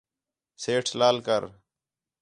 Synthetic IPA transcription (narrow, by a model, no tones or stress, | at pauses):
seːʈʰlaːlkəɾ